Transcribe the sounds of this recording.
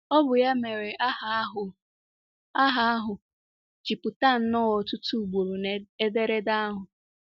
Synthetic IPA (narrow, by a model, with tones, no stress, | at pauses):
ɔ˦bʊ˨ja˦me˨ɾe˨ʔa˦a˦ɦʊ˨ | a˦ɦa˦a˦ɦʊ˨ | t͡ʃi˨pʊ˨ta˦˨n̩˦nɔ˦wɔ˨tʊ˦tu˦˨ɡ͡bu˨ɾu˨ne˦de˦ɾe˦da˦a˦ɦʊ˨